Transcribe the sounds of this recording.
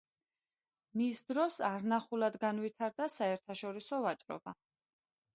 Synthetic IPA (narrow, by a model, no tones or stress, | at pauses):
misd̪ɾɔsaɾnaχulˠad̪ɡanvit̪ʰaɾd̪asaɛɾt̪ʰaʃɔɾisɔvat͡ʃʼɾɔ̰ba